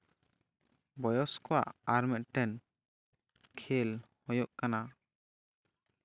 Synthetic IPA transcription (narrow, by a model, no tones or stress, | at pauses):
bɔjɔskɔwa̰ʔaɾmɛʔ̪̚ʈɛn | kʰelhɔjɔʔkana